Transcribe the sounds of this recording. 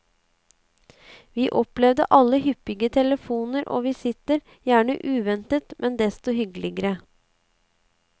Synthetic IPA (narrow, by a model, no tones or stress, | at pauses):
ʋiːʔɔplɛʋd̪ə̰ʔɑlːəhʏpːɪɡət̪ʰɛləfuːnəɾʔo̰ːʋiːsɪt̪əɾ | jæːɳə̰ʔʉːʋɛnt̪ət̪mʔɛnd̪ɛst̪ɔhʏɡlɪɡəɾə